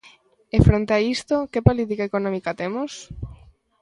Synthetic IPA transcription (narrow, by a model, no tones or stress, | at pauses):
efɾont̪eaist̪okepolit̪ikaekonõmikat̪emos